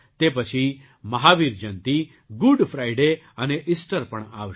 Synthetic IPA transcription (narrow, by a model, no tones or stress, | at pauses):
t̪epət͡ʃʰi | mɐɦaːʋiɾd͡ʒɐ̃nt̪i | ɡʊɖpʰɾaːiɖe | ɐneʔɪsʈəɾpɐɳ̃a̰ːʋə